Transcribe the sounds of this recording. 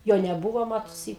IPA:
ˈjoː nʲɛˈbuːʋoː ˈmɑːtʊsʲɪ

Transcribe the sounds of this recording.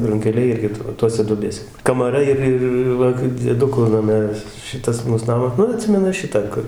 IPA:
rʊŋʲkʲɛˈlʲɛɪ ˈɪrʲɡʲɪ ˈtoːsʲɛ duɔˈbʲeːsʲɛ kɐmɐˈrɐ ɪr ˈɪr ˈʋɐ d͡zʲiɛˈdʊkʊ nɐˈmʲɛ ʋʲɪs ˈʃʲɪtɐs ˈmuːs ˈnɑːmɐs ˈnʊ ɐˈtʲsʲɪmʲɛnʊ ˈʃʲɪtɑː ˈkʊr

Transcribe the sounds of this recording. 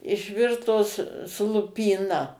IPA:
ɪʃʲˈʋʲɪrtoːs sʊ lˠʊpʲiːˈnɐ

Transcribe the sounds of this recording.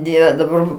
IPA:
ˈdʲiɛʋʲɛ dɐˈbɐr

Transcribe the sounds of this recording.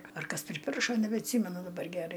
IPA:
ɐr ˈkɐs pʲrʲɪˈpʲɪrʃoː nʲɛbʲɛɐtʲˈsʲiːmʲɛnʊ dɐˈbɐr ɡʲɛˈrɐɪ

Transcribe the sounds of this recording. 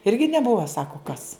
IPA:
ɪrʲɡʲɪ nʲɛˈbʊʋoː ˈsɑːkoː kɐs

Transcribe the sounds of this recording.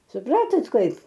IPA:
sʊˈprɑːtoːt ˈkɐɪp

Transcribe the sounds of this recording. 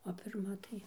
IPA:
oː pʲɪrˈmɐ tɐɪ

